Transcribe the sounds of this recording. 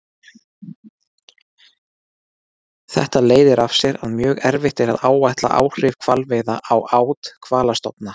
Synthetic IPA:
θɛ̰ht̪aleːjðɪɾafsjɛɾaðmjœːɣɛɾvɪht̪ɛɾaðaːwvajt̪la̰ʔa̰ːwr̥ɪvkʰv̥alvɪðaʔawaːwt̪kʰvaːlast̪ɔpna

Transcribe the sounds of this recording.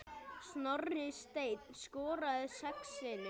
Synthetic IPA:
snɔɾnɪst̪eːjt̪n̥skɔːɾaðʏsɛksɪnɪ

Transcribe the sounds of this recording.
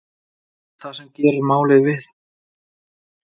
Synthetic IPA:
θasɛmcɛːɾʏɾmaːwlɪðvɪθ

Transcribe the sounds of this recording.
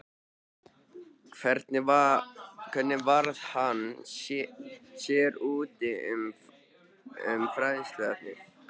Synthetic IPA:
kʰvɛɾt̪nɪakʰɛt̪nɪvaɾð̥hanː | sjɛːɾuːt̪ɪʏm | ʏ̰mfɾaːjðɪnst̪lɛaɾlɪɾ

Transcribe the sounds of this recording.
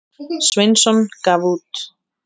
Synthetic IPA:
swɪnsɔnkavut̪

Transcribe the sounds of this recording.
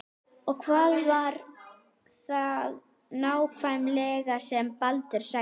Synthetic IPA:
ɔɣkʰvaːðvaɾ | θað | naːwkʰvajmlɛːɣasɛmpalt̪ʏɾ̥sa

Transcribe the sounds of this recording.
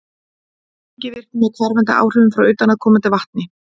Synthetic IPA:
cɪvɪr̥k̪ɪmɛðkʰvaɾvɛnt̪a̰ʔa̰ːwr̥ʏvʏmfɾawʏɥt̪anaðkʰɔːmant̪ɪvaht̪̚nɪ

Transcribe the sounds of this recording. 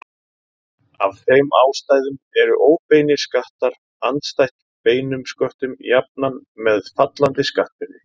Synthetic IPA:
a̰vθejma̰ːwst̪aːjðʏmɛɾʏʔoːwpejnɪskaht̪aɾ̥ | ant̪st̪ajht̪ | peːjnʏmskœht̪ʏmjap̚nanmɛðfat̪lant̪ɪskaht̪vɪɾɪ

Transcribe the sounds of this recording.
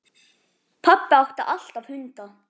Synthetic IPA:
pʰapːaawhkt̪aʔaɬt̪awhʏnt̪a

